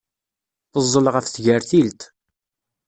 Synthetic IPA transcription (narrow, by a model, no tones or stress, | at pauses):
θəzˤːəlʁəfθʝəɾθilt̪